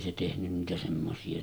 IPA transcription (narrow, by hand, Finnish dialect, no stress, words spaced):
se tehnyn niːtæ semːosiɑ